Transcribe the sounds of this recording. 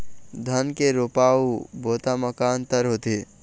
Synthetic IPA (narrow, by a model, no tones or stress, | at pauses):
d̪ʱənkeɾopaːubʱoːt̪aməkaːnt̪əɾɦoːt̪i